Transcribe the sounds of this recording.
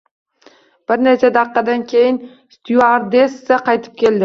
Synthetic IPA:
b̥ɪɾnet͡ʃʰad̪ɑqːɑd̪ankʲʰe̞jɪn | st̪juaɾd̪esːaqʰɑjt̪ʰɪ̥p̚kʲe̞ld̪ɪ

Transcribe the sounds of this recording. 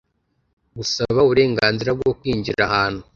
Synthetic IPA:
ɡusaβauβuɾe̞ːŋɡaːnziɾab̚ɡo̞kwiːɲɟiɾahaːn̥hu

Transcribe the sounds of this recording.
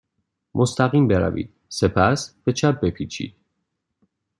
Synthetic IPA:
mʔost̪ʰæɣiːmbeɾæ̰vḭːd̪̥sepʰæsb̥e̞t͡ʃʰæp̚be̞pʰiːt͡ʃʰḭːd̪̥̚

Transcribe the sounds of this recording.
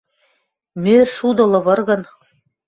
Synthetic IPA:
mørʃud̪ɤ̆lɤ̆βɤ̆rɣɤ̆n

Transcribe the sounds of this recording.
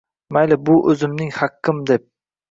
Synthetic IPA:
majlɪbʊʔɵzɪmnɪŋhaqʰːɪmd̪ep̚

